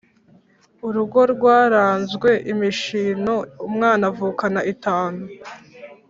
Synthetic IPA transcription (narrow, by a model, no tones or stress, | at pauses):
uɾuɡo̞ɾɡwaːɾaːnzɡwe̞ʔimiʃino̞umŋaːnavuːkanaʔitaːnu